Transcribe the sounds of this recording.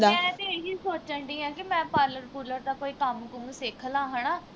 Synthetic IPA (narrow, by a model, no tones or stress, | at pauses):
d̪aɛ̃ːt̪eeɦiːsoːt͡ʃə̃ɳʈiːɛ̃ːkɪmɛ̃ːpaːɾləɾkuːləɾd̪aːkoːiːkəmkʊsekʰəlãːɦənaː